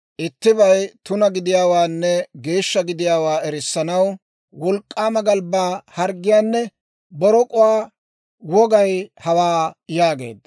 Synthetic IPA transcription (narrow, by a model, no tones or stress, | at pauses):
ʔɪt̪ːɪbɐjt̪ʊnɐɡɪd̪ɪjaːwaːnːɛɡe̞ːʃːɐɡɪd̪ɪjaːwaːɛɾɪsːɐnɐw | wɔlkʼːaːmɐɡɐlbaːhɐɾɡːɪjaːnːɛ | bɔɾɔkʼʊwaː | wɔɡɐjhɐwaːjaːɡe̞̰ːd̪ːɐ